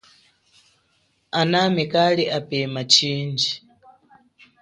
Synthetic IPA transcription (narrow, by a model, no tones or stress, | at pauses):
anamɛkalɛʔapɛmat͡ʃiːnd͡ʒi